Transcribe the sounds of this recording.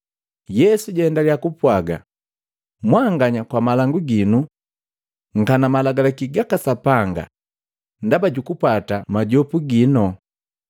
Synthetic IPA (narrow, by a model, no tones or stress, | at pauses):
jɛsuɟɛndaliakupwaɡa̰ | mwaŋɡaɲakwamalaŋɡuɡinu | ŋ̩kanamalaɡalakiɡakasapaŋɡa̰ | ndabaɟukupatamaɟɔpuɡinɔ